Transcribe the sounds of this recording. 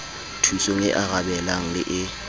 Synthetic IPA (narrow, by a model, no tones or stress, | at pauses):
tʰusoŋɛʔaɣabɛlaŋ̩lɪʔɪ